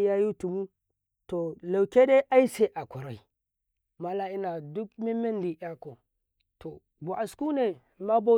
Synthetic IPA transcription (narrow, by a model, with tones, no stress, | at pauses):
ja˦ju˦tu˨mu˦ | to˨la˨wke˦de˦ʔa˦i˦se˨ʔa˨kʷu˨ɾa˨i˨ | ma˦la˦i˦na˨du˦kmi˦me˦n˦di˨ʔa˦ko˨ | to˨ | ɡo˨ʔa˨sku˦ne˨ | ma˦bo˦